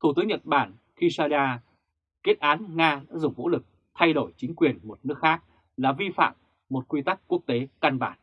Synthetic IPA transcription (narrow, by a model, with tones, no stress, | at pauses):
t̪ʰu˧˩t̪ɨ˨˦əŋɲə˨˩t̚ɓaː˧˩n | ki˧saː˧laː˧ | ke˦˥t̚ʔaː˨˦nŋaː˧ɗa̰ː˧˥zʊ˨˩ŋ͡mvṵ˧˥lɨ˨˩k̚ | t̪ʰa˧jɗo˧˩jt͡ɕï˨˦ŋ̟kwi˨˩ənmo˨˩t̚nɨ˦˥ək̚xaː˦˥k̚ | laː˨˩vi˧fa̰ː˧˨mː | o˨˩t̚kwi˧t̪a˦˥kkːu˦˥ək̚t̪e˨˦ka˧nɓa̰ː˧˩n